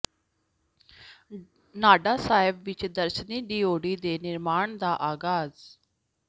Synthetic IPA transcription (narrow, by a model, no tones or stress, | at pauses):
naːɖaːsaːɪbʋɪt͡ʃd̪əɾʃniːɖiːoːɖiːd̪eːnɪɾmaːɳd̪aːʔaːɡaːz